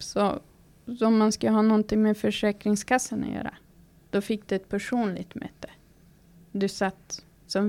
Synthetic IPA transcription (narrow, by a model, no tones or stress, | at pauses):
sɔ | ɔmːanskalɦɑːnɔnt̪ɪŋmɛfœʂɛːkɾɪŋskasːənɔ̰jœ̰ːɾa̰ | d̪̥ɔfɪkːd̪ɵɛt̪̚pʰæʂuːnlɪ̰ɡt̪mɛ̰ːt̪ʰːə̥ | d̪ɵsat̪ː | sɔm